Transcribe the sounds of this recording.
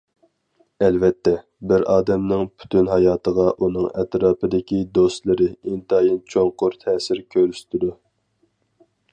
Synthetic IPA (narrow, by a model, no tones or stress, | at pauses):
ɛlvɛt̪ːɛ | bɪɾɑːd̪ɛmnɪŋpʰy̥t̪ʰynɦɑjɑːt̪ʰəʁɑʔunɨŋɛ̰t̪ɾɑːpɨd̪ɪkʲid̪ost̪lˠɨɾɪint̪ʰɑjint͡ʃʰoŋqʊɾt̪ʰɛːsɪɾkʲʰøɾyst̪ʰɪd̪u